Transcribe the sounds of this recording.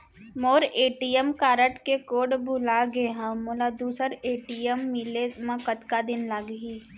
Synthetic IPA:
moːɾeːʈijəmkaːɾəʈkekoːɖbʱʊlaɡeɦãmʊːlad̪uːsəɾeːʈijəmːɪlemɐ̃kət̪kad̪ɪnlaɡɦiː

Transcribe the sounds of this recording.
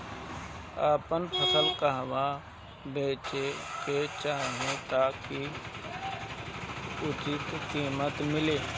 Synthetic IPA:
aːpənpʰəsəlkaɦwa | beːt͡ʃeket͡ʃaːɦẽt̪aːki | ʊt͡ʃɪt̪kiːmət̪mɪleː

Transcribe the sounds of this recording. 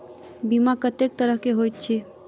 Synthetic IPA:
bimakət̪ek̚t̪əɾəɦkeɦojt̪̚t͡ʃʰe

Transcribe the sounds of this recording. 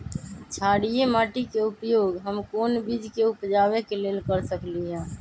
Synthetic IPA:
t͡ʃʰaːɽijemaːʈikeupjoːɡɦəmkoːnbid͡ʒkeupd͡ʒaːwekeleːlkəɾsəkliɦɛ̃ː

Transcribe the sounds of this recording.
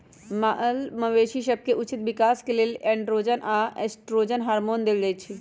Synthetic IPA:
maʔəlməʋeːʃiʃɐb̚keʔʊt͡ʃɪt̪ʋɪkaːskeleːlɛ̃ɳɖɾoːd͡ʒənʔaesʈɾoːd͡ʒənɦaːɾmoːnd̪eld̪et͡ʃʰi

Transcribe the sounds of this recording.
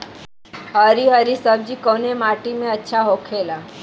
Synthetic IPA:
ɦəɾiɦəɾisəbd͡ʒikonemaʈimẽətːʃʰaɦokʰela

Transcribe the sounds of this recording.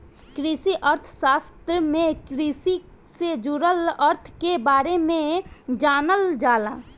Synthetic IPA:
kɾisiʔəɾt̪ʰʃaːst̪ɾəmẽkɾisi | sed͡ʒuɾələɾt̪ʰkebaːɾemẽd͡ʒaːnəld͡ʒaːlaː

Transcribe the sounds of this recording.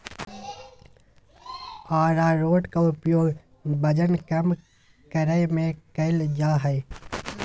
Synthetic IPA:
aːɾaːɾoːʈkaʊpjoːɡ | bɐd͡ʒənkəm | kəɾəjmẽkəɪld͡ʒaːɦɛ

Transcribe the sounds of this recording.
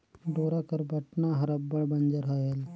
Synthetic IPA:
ɖoːɾakəɾbʱɐʈnaɦɐɾɐbːəɭbɐnd͡ʒəɾɦaːel

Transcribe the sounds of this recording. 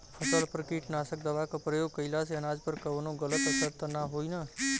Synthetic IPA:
pʰəsəlpəɾkiʈnasək̚d̪əʋakapɾəjoɡ̚kəilaseənad͡ʒpəɾkəʋənũɡələt̪əsəɾt̪ənaɦoina

